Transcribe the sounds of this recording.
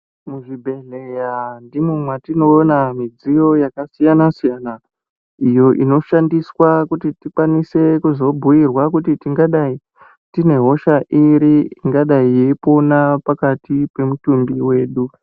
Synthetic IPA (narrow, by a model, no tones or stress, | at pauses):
muʐibʱe̞ɮejandimumwatino̞ːnamid͡zijo̞jakasijanasijana | ijo̞ʔḭno̞ʃandiswakutitikwanise̞kuzo̞bʱujirwakutitiŋɡaɗai | tine̞ɦo̞ʃaʔiɾiiŋɡaɗaijeipo̞napakatipe̞mutumbiwe̞ːɗu